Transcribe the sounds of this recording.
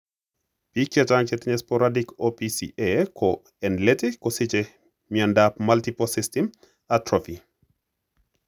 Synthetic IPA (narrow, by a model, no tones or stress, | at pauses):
pikjat͡ʃaŋkɛtiɲɛspɔɾadikopisiʔɛkʰɔ | ɛnletikːɔsit͡ʃɛ | miandapmaltipɔsistim | atɾofi